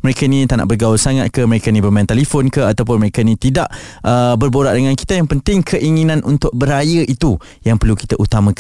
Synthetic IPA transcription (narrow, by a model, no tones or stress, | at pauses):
məɾekainĩt̪ana̰ʔbərɡawʊsaŋat̪̚kəməɾekainĩbərmaj̃nt̪ɛlifɔnkəat̪awp̬ʊnməɾekainĩt̪idaʔʔəbərboɾaʔdəŋãnki̥t̪ajaŋpənt̪ɪŋkʰəʔiŋinãnunt̪ʊʔ̚bəɾajəʔit̪u | jaŋpərluki̥t̪aʔut̪amãkan